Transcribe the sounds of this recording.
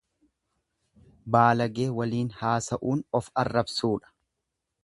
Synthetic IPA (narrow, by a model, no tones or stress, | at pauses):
baːlɐɡe̞ːwɐliːnhaːsɐʔuːnɔfɐrːɐbsuːᶑɐ̥